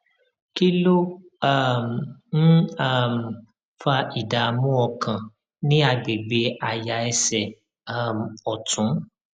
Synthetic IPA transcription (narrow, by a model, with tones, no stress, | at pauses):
ki˦lo˦ | a˦˨m˨n̩˦a˦˨m˨ | fa˧i˨da˨mũ˦ɔ˧kã˨ | nĩ˦a˧ɡ͡be˨ɡ͡be˧a˨ja˨˧ɛ˧sɛ˨ | a˦˨m˨ɔ˨tũ˨˦